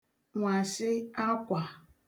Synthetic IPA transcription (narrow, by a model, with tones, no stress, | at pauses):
ŋʷa˨sɪ˦a˦kʷa˨